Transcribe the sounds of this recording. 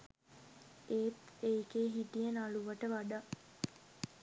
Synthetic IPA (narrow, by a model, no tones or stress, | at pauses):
eːt̪eːkeːɦiʈijenaluʋəʈəʋaɖa